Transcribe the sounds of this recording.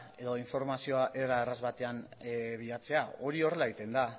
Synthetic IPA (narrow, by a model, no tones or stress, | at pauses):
e̞ðo̞iɱfo̞ɾmasio̞aʔe̞ɾaerazβat̪e̞anβiat͡se̞ao̞ɾio̞re̞laeɣit̪e̞nd̪a